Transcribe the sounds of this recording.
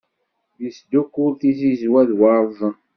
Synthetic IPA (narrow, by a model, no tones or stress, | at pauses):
jəsd̪ukːuɾθizizwæðwɑɾˤðˤ